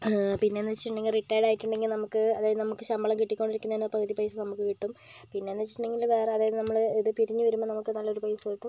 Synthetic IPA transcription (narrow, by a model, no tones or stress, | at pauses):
pinːenːɐt͡ɕɳːeŋɡilriʈːaːjiɽaːjiʈːuɳɖe̞ŋɡilnɐmukːɨɐðaːjɐðɨnɐmukːɨɕɐmbɐɭɐmkiʈːikʲːo̞ɳɖiɾikʲːunːɐðinːɐprɐðipɐjsɐnɐmukːɨkiʈːumpinːe̞nːɐt͡ɕːiʈːɳːeŋɡilʋe̞ːreɐðaːjɐðɨnɐmːɐɭiðɨpiɾiɲːɨʋɐɾumːoːnɐmukːɨnɐlːo̞ɾupɐjsɐkiʈːum